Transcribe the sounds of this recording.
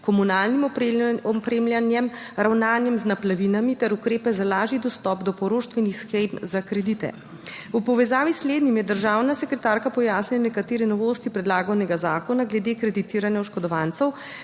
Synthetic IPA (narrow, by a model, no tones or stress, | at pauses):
kɔmunaːlnimɔpɾeːmljanjɛm | ɾawnaːnjɛmznaplaʋinamit̪ɛɾukɾeːpɛzalaːʒid̪ɔst̪ɔːpd̪ɔpɔɾoːʃt̪ʋɛnixsxɛjpzakɾɛd̪it̪ɛ̰ | upɔʋɛzaːʋisːleːd̪nimjɛd̪əɾʒaːwnasɛkɾɛt̪aːɾkapɔjaːsnɛnɛkat̪eːɾɛnɔʋoːst̪ipɾɛd̪laːɡɔnɛɡazaːkɔnaɡlɛd̪eːkɾɛd̪it̪iːɾanjɛwʃkɔd̪ɔʋant̪sɛw